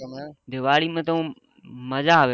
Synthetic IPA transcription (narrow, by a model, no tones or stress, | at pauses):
d̪ɪʋaːɽimẽt̪õ | mɐzaɦʋe